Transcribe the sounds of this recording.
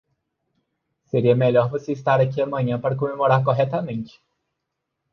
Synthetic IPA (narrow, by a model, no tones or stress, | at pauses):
seɾiɐmeʎɔɾvoseist̪aɾakʲiɐmɐ̃ɲɐ̃paɾɐk̬omemoɾaɾkoɦɛt̪ɐmẽnt͡ʃɪ̥